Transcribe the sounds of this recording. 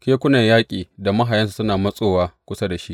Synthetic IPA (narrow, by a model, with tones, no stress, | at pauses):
kʲeː˦kʷʊ˦na˨jaː˦kʲʼiː˨da˨mɐ˦ɦa˨jɐ˦nsu̥˨sʊ˦naː˨mɐ˦sʼoː˦waː˦kʷʊ˦sa˦da˨ʃi˦ʔ